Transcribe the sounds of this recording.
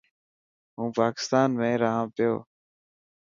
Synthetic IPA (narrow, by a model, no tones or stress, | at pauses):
ɦũːpaːkɪ̥st̪aːnmẽːɾaːɦãːpɪjo̰ː